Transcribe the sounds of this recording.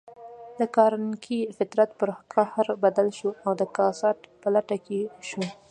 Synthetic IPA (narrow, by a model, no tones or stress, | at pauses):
d̪əkɑɾankifɪt̪ɾat̪pəɾqahaɾbad̪alʃuawd̪əkɑsɑʈpalaʈakeʃu